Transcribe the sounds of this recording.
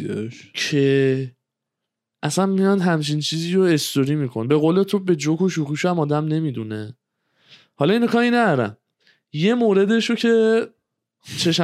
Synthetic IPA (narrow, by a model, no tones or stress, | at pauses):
cʰe | ʔæsænmijɒnd̪ɦæmt͡ʃʰint͡ʃʰiːziːɾoe̞st̪oɾiːmiːkʰo̞nbe̞ɣoːlet̪ʰobe̞d͡ʒokoʃ̬uːxiʃoæmɒːd̪æmne̞mid̪une̞ | hɒlɒiːnokʰɒːhinæd̪ɒɾæ̰m | je̞moːɾe̞d̪e̞ʃocʰe̞ | t͡ʃʰe̞ʃ